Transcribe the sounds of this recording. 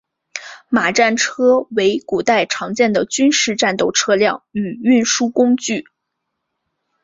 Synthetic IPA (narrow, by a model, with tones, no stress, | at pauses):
ma˨˩ʈ͡ʂa˥˩nʈ͡ʂʰɤ˥we˧˥ɪku˨˩t̪a˥˩ɪʈ͡ʂʰɑ˧˥ŋt͡ɕjɛ˥˩nd̪ə˩t͡ɕy˥nʂɻ̩˥˧ʈ͡ʂa˥˧nt̪o˥˩ʊʈ͡ʂʰɤ˥ljɑ˥˩ŋy˨˩y˥˩nʂu˥kʊ˥ŋt͡ɕy˥˩